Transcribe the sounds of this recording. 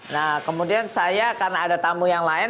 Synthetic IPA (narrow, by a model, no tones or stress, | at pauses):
nakəmudiansajakarnadat̪ambujaŋlaɪ